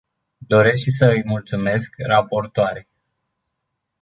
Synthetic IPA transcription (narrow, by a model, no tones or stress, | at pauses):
d̪o̞ɾe̞sʃsəɨjmult̪sume̞skrapo̞rt̪oaɾej